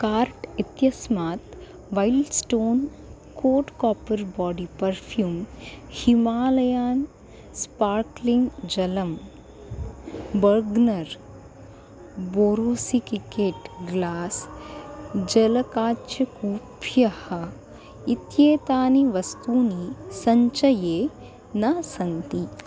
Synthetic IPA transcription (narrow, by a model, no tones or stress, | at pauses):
kaːɾʈit̪jɐsmaːt̪ | ʋajlɖsʈoːn | koːʈkɔːpɐɾbɔːɖipɐɾfʰjuːmhimaːlɐjaːn | spaːɾkliŋɡd͡ʒɐlɐm | bɐɾɡnɐɾ | boːɾoːsikikeʈɡlaːs | d͡ʒɐlɐkaːtːʃɐkuːpjɐhɐ | it̪jeːt̪aːniʋɐst̪uːnisɐɲt͡ʃɐjeː | naːsɐnt̪i